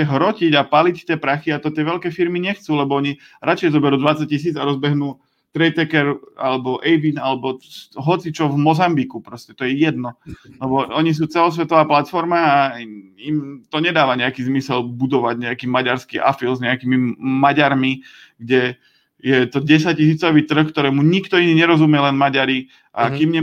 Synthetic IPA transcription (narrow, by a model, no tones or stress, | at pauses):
ɛɦɾɔciɟapalict̪ɪɛːpɾaxiat̪ɔt̪ɪɛʋɛʎkɛːfiɾmiɲɛxt͡suːlɛbɔɔɲi | ɾʔat͡ʃɛjzɔbɛɾuːd̪ʋat͡sac̚cis̬iːd͡zaɾɔzbɛɦnuː | t̪ɾɛjt̪ɛkɛɾa̰lɛbɔʔɛjʋinalɛbɔɦɔt͡sit͡ʃɔvmɔzambikupɾɔscɛt̪ɔjɛjɛd̪nɔlɛbɔɔɲis̬uːt͡sɛlɔs̬ʋɛt̪ɔʋaːplat̪fɔɾmaːimt̪ɔɲɛd̪aːʋaɲɛakiːzmisɛlbud̪ɔʋaɟɲɛakiːmaɟaɾskḭʔa̰filzɲɛakiːmimaɟaɾmi | ɡɟɛ | jɛt̪ɔɟɛs̬ac̚cisiːt͡sɔʋiːt̪r̩xkt̪ɔɾɛːmuɲikt̪ɔiniːɲɛɾɔzumɪɛlɛnmaɟaɾi | ʔa̰kimɲɛ